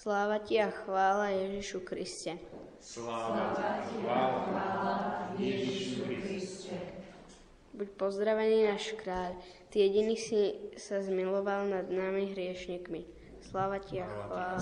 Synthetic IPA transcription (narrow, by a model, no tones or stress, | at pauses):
slaːʋaciaxʋaːlajɛʒiʃukɾiscɛ | ɛi | ɛ | bucpɔzd̪ɾaʋɛniːnaːʃkɾaːʎ | t̪iːjɛɟiniːxsisazmilɔʋalnad̪naːmiɦɾɪɛʃɲiːkmi | slaːʋaciaxʋaːla